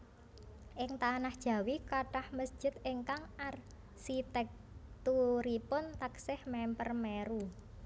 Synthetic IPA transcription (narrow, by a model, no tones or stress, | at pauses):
ʔɪŋt̪anahd̥ʒ̥a̤wikaʈahməsd͡ʒ̥ɪ̤t̪eŋkaŋʔar | sit̪ɛk̚ | t̪uɾipʊnt̪aksɪhmɛmpərmɛɾu